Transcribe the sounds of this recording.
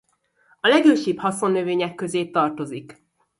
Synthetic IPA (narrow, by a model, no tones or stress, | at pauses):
ɒlɛɡøːʃiphɒso̞nːøveːɲɛkːø̞zeːt̪ɒrt̪o̞zik